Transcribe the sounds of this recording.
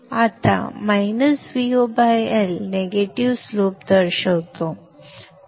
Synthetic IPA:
at̪a̰majnəsʋiobajelneɡeʈiʋsloːp̚d̪əɾɕəwt̪o

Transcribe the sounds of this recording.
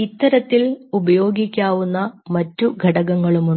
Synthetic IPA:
it̪ːɐɾɐt̪ːilubɐjo̞ːɡikʲːaːʋunːɐmɐtːuɡʱɐɽɐɣɐŋːɐɭumuɳ

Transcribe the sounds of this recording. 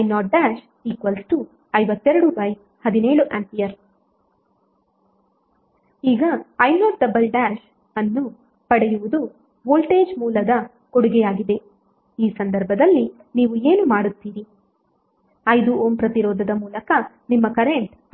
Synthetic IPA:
ɐjnɔːʈ̚ɖaːʃ | iːkʋɐlsʈu | ɐjʋɐt̪ːɛɾɐɽubɐj | hɐd̪ineːɭuʔaːmpijɐɾ | iːɡɐːjnɔːʈ̚ɖɐbɐlɖæːʃ | ɐnːu | pɐɽɛjuʋud̪u | boːlʈe̞ːd͡ʒmuːlɐd̪ɐ | koɽuɡɛjaːɡid̪e̞ | iːsɐnd̪ɐɾbʱɐd̪ɐlːi | niːʋue̞ːnumaːɽut̪ːiːɾi | ɐjd̪uoːmpɾɐt̪iɾɔːd̪ʱɐd̪ɐmuːlɐkɐ | nimːɐkɐɾe̞ɳʈ

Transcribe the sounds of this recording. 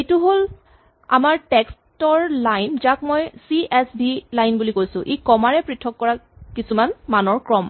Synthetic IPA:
etuɦol | a̰maɹtɛkstɔɹlajnzak̚mɔjsiɛsbilajnbulikojsʊ̰̃ʔekɔmaɹɛpɹitʰːɔkːɔɹakisumanmanɔɹkɹɔm

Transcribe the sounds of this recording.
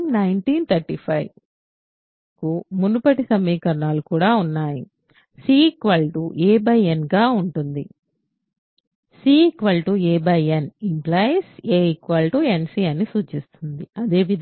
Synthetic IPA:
mnɐjɳʈiːnt̪ʰɐɾʈiːpʰɐj | kumunupɐʈisɐmːiːkɐɾɐɳaːlukuːɽaːunːaːji | siːkʋɐlʈuʔeːbɐjenɡaːuɳʈund̪i | siːkʋɐlʈueːbɐjenimplaːjenseːikʋɐlʈuensiːɐnisuːt͡ʃist̪und̪iɐd̪e̞ːʋid̪

